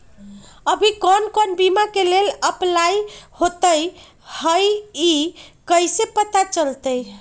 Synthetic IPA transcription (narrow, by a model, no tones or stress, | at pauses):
əbʱikɔnkonbimakeleləplajhot̪əj | həjikəjsepət̪at͡ʃəlt̪əj